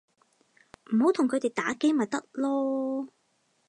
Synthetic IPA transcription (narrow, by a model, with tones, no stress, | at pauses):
m̩˨˩ɦo˨˧˥wt̪ʰʊ˨˩ŋkʰɵ˨˧ɥt̪e˨jt̪aː˨˥ke˥jmaː˨t̚t̪ɐ˥k̚lɔː˥